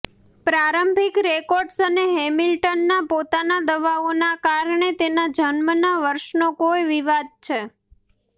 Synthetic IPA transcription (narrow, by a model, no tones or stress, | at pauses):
pɾaɾəmbʱikɾekɔɾɖsəneɦɛmilʈənːapot̪anad̪əʋaonakaɾɳet̪enad͡ʒənmənaʋəɾʃnokojʋiʋad̪̚t͡ʃʰe